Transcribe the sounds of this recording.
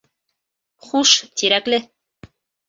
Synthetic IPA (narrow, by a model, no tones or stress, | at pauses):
χuʃt̪iɾæklɘ